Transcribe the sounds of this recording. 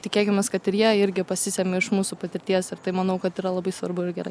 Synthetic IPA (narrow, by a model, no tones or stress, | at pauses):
t̪ʲɪkʲeːkʲɪmʲɛskɐt̪ɪɾjiɛɪɾʲɡʲɪpɐsʲɪsʲɛmʲɪɪʃmuːsupɐt̪ʲɪɾʲt̪ʲiɛsɪɾt̪ɐɪmɐnɐʊkɐt̪iːɾɐlˠɐbɐɪsʋɐɾbʊɪɾɡʲɛɾɐɪ